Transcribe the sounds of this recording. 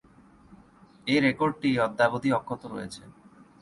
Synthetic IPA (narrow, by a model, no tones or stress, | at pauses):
eɾekoɾɖ̚ʈiɔd̪ːabod̪ʱiɔkʰːot̪oɾojet͡ɕʰe